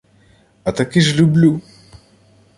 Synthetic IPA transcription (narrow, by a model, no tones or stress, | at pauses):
at̪akɪʒlublu